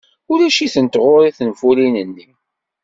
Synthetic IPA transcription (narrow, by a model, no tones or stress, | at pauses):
ʊɾæʃiθənt̪ʁʊɾiθənfulinənːi